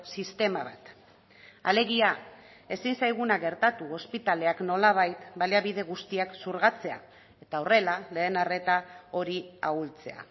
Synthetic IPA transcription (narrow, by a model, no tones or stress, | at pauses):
sist̪e̞maβat̪ | ale̞ɣ̞ia | e̞sinsajɣ̞unaɣe̞ɾt̪at̪uo̞spit̪ale̞akno̞laβ̞ajt̪balaβiðe̞ɣust̪iaksuɾɣat͡se̞a̰ | e̞t̪aore̞lale̞ːnare̞t̪ao̞ɾiault͡se̞a̰